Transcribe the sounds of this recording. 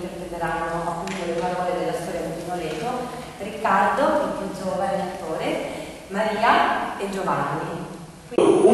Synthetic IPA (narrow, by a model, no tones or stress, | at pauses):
t̪erpɾet̪eɾanːoʔapːunt̪olepaɾɔːled̪elːast̪ɔːɾjad̪ut̪inoɾeːk̪o | rikːard̪oʔint̪unsovaɾelat̪ːoːɾe | maɾiːaed͡ʒovanːi | kwiu